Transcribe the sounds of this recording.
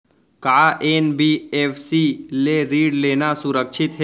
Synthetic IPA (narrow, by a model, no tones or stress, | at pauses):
kaːʔeːnbiːeːfʰsileɾiːɖleːnasʊɾəkʃʰɪt̪ɦɛ